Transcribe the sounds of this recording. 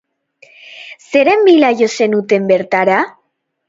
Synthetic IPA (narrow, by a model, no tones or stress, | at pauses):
seɾembilajosenut̪embeɾt̪aɾa